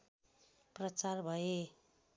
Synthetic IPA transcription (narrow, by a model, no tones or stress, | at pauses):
prʌt͡sarbʱʌe